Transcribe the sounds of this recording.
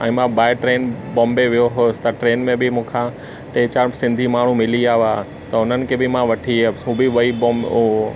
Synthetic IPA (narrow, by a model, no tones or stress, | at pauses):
ɛ̰̃ːmãbaːɪʈɾeːnbõːmbeʋijoɦoːst̪ɐʈɾeːnmẽbɪmũːkʰã | ʈeːt͡ɕaːɾsɪ̃nd̪ʱimaːɳ̤umɪliaːɦaː | t̪ɐʊnənɪ̆kʰeːbɪmãʋɐʈʰiɦũbɪʋɐibõːm